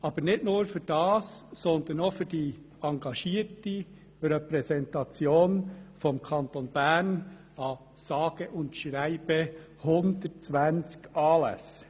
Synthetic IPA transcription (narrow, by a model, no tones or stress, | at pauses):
ɑb̥əɾnɪtnoːɾfʏd̥ɑːsːɔnd̪ənofʏd̥i | ɑŋɡɑʃiːəti | rɛpɾɛsɛntɑt͡sjoːnfɔmkʰɑnt̪onb̥æɾn | ɑ | sɑːɡ̥əʔʊntʃræɪb̥ə | hʊndət͡sʋænt͡skɑːlɛ̰s